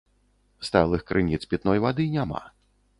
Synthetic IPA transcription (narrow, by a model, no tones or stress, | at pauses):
st̪alˠɨxkɾʔɨnʲit̪spʲit̪nɔjvad̪ɨnʲama̰